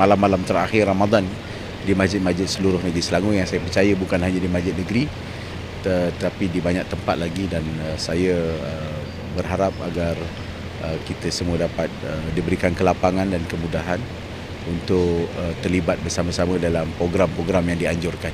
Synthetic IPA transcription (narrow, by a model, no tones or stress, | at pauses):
malamːalamt̪əɾa̰xɪramad̪an | dimad͡ʒɪt̪̚mad͡ʒɪt̪̚səluɾʊhnəɡɾisəlaŋujaŋsajəpərt͡ʃajəbukanɦaɲadimad͡ʒɪt̪̚nəɡɾi | t̪ət̪ət̪apidibaɲak̚t̪əmpat̪̚laɡidanəsajəə | bərɦaɾap̚a̰ɡar | ʔəkit̪əsəmuədapat̪̚ədibəɾikankəlapaŋandankəmudaɦan | unt̪ʊkət̪ərlibat̪̚bərsaməsamə̃dalampɾoɡɾampɾoɡɾamjaŋdiaɲd͡ʒʊrkan